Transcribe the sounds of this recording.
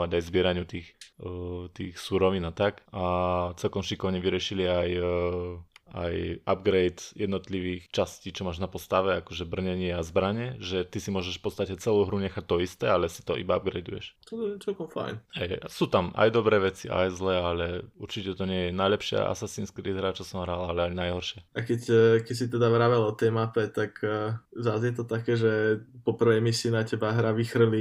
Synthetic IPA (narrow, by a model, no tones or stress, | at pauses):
ʋaɟajzbɪɛɾaɲɪut̪iːx | t̪iːxsuɾɔʋiːnat̪akat͡sɛlkɔmʃikɔʋɲɛʋiɾɪɛʃiliaj | a̰ja̰b̚ɡɾɛjt̪jɛd̪nɔt̪liʋiːxt͡ʃasciːt͡ʃɔmaːʒnapɔst̪aʋɛakɔʒɛbr̩ɲɛɲɪɛazbɾaɲɛʒɛt̪isimʊɔʒɛʃfpɔt̪st̪acɛt͡sɛluːɦɾuɲɛxac̚t̪ɔist̪ɛalɛsi̥t̪ɔ̰ʔḭbaab̚ɡɾɛ̰jd̪ujɛ̰ʃt̪ɔt̪ɔɲɛt͡sɛlkɔmfa̰jnhɛjsuːt̪ama̰jd̪ɔbɾɛːʋɛt͡siʔa̰jzlɛːalɛuɾt͡ʃicɛt̪ɔɲɪɛjɛnajlɛpʃɪa̰ʔa̰sasiːnskɾḭːd̪ɦɾat͡ʃɔsɔmɦɾalaalɛaɲnajɦɔɾʃɪɛʔakɛckɛcsit̪ɛd̪aʋɾaʋɛlɔt̪ɛjmapɛt̪akːzazjɛt̪ɔt̪akɛːʒɛpɔpr̩ʋɛjmisiːnacɛbaɦɾaʋixr̩li